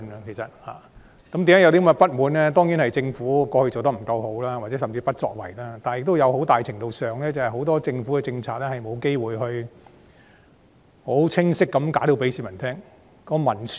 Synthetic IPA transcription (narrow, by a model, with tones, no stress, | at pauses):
n˧kʰe˨˩jsɐ˨t̚ha̰ː˨ | kɐ˦˥mt̪iː˨˥mːa˨˥jɐ˨˧wt̪i˥mɐ˧˩pɐ˥t̚muː˨˥nlɛː˥t̪ɔː˥ŋji˨˥nhɐ˨jt͡sɪ˧ŋfuː˨˥kɔː˧hɵ˧ɥt͡so˨wt̪ɐ˥m̩˨˩kɐ˧wɦo˨˥wlaː˥waː˨˩t͡sɛː˨˥sɐ˨mt͡siː˧pɐ˥t̚t͡sɔ̰ː˧k̚wɐ̰˨˩jlaː˦˥t̪aː˨njɪ˨k̚t̪o˥wjɐ˨˧who˨˥wt̪aː˨jt͡sʰɪ˨˩ŋt̪o˨˧wsœː˨ŋlɛː˥t͡sɐ˨˩hɐ˨˩jɦo˨˥wt̪ɔː˥t͡sɪ˧ŋfuː˨˥kɛ˨˧t͡sɪ˧ŋt͡sʰaː˧t̚lɛː˥hɐ˨jmo˨˧wke˥jwuː˨jɦɵ˧ɥ | ho˨˥wt͡sʰɪ˥ŋsɪ˥kːɐ˨˧˥mkaː˨˥ɾo˧wpe˨˥jsiː˨˧˥mɐ˨˩nt̪ʰɛː˥ŋ | kɔː˧mɐ˨˩ns